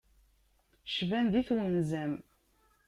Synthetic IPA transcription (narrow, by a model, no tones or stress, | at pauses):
ʃvænðiθwənzæm